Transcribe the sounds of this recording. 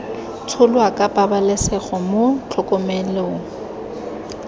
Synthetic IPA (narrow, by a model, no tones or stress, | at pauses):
t͡sʰʊlwakʼapʼabalɛsɛχɔmʊt͡ɬʰɔkʼɔmɛloŋ̩